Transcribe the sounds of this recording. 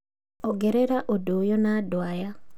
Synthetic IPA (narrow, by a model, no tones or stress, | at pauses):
ɔɡɛɾeɾaʔodojɔnadwaja